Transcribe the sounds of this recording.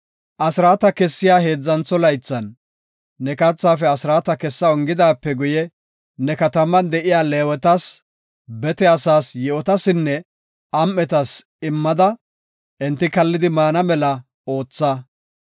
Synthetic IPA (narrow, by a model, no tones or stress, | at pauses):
ʔɐsɪɾaːt̪ɐkɛsːɪjaːɦe̞ːd͡zːɐnt͡sːɔlɐjt͡sːɐnː | ɛkɐt͡sːaːfɛɐsɾaːt̪ɐkɛsːɐɔŋɡɪd̪aːpːɛɡʊjɛ | nɛkɐt̪ɐmɐnd̪ɛʔɪjaːleːwɛt̪ɐs | bɛt̪ɛɐsaːsjɛʔɔt̪ɐsɪnːɛ | ɐmːɛt̪ɐs | ɪmːɐd̪ɐ | ʔɪnt̪ːɪkɐlːɪd̪ɪmaːnɐmɛlɐ | o̞ːt͡sːɐ